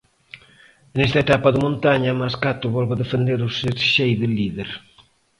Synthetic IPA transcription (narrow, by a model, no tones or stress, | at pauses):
nest̪aɐet̪apaðɪmõnt̪aɲamaskat̪ʊβɔlβaðefend̪eɾuseɾʃejðɪliðeɾ